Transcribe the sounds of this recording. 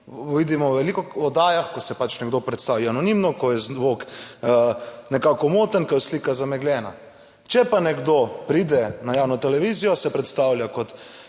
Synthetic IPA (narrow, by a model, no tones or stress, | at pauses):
ʋid̪imɔwʋɛlikɔɔd̪aːjaxkɔsɛpat͡ʃnɛɡd̪opɾɛt̪st̪aːʋianɔnimnɔkɔjɛzʋok | nɛkaːkɔmoːt̪ənkajsliːkazamɛɡlʲɛːna̰ | t͡ʃɛpanɛɡd̪opɾid̪ɛnajaːwnɔt̪ɛlɛʋizijɔsɛpɾɛt̪st̪awljakɔt̪